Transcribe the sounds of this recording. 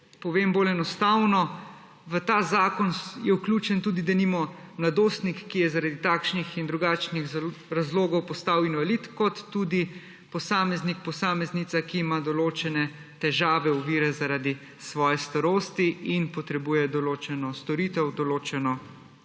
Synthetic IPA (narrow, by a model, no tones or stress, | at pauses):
pɔʋeːmboːlɛnɔst̪awnɔ | ʋət̪aːzaːkɔnjɛwklʲuːt͡ʃɛnt̪uːd̪id̪animɔmlad̪oːst̪nikːijɛzaɾad̪it̪aːkʃnixind̪ɾuɡaːt͡ʃnixɾazloːɡɔwpɔst̪awinʋalit̪kɔt̪ːuːd̪i | pɔsaːmɛznik̚pɔsaːmɛznit̪sakiːmad̪ɔloːt͡ʃɛnɛ | t̪ɛʒaːʋɛuʋiːɾɛzaɾad̪i | sʋɔːjɛst̪aɾoːst̪iinpɔt̪ɾɛbuːjɛd̪ɔloːt͡ʃɛnɔst̪ɔɾiːt̪ɛwd̪ɔloːt͡ʃɛnɔ